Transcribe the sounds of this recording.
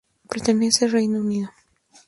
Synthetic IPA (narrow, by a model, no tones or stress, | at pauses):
pɾet̪eneselrejnouniðo